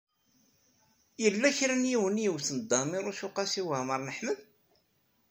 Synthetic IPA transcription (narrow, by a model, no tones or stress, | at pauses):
jəlːæçɾænjiwənjəwθənəd̪ːɑmiɾˤʊʃʊqɑsiwəməɾˤnəħməð